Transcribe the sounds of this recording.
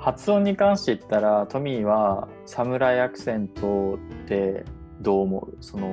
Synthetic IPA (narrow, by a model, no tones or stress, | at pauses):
hat͡sɨõɲ̟ːikãɰ̃ɕit̪e̞it̪ːaɾat̪o̞mʲiβa | samɯ̟ɾaiakɯ̟̥sẽ̞nt̪o̞t̪e̞ | d̪o̞ːmo̞̰ɯso̞no